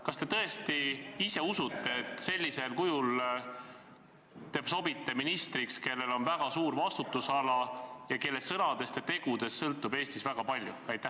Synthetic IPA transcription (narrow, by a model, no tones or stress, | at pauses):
kɑst̪e̞t̪ɤe̞st̪iise̞usut̪ːe̞et̪ˑse̞lʲːise̞lkujul | t̪e̞ːb̥so̞bit̪ːe̞minist̪rikske̞lːe̞lo̞nvæɡ̥ɑsuːɾvɑst̪ut̪ːˑusɑlɑjɑke̞lːe̞sːɤnɑd̪̥e̞st̪et̪e̞ɡ̥ud̪̥e̞sːɤlt̪ːˑube̞ːst̪isvæɡ̥ɑpɑlʲjuæjt̪ːˑæ